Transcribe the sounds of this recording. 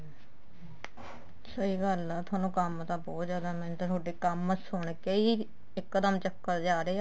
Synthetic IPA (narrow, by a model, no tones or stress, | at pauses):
səiːɡəlt̪ʰwaːnũːkəmt̪ãːbɔːt̪zjaːd̪aːmɛ̃ːnt̪ãːt̪ʰoːɖeːkəməsʊɳkeiː | ɪkːd̪əmt͡ʃəkːəɾd͡ʒaːɾeːa